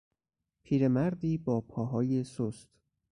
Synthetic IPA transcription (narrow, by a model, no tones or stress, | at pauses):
pʰiːɾe̞mæɾd̪iːbɒːpʰɒːɦɒːje̞sost̪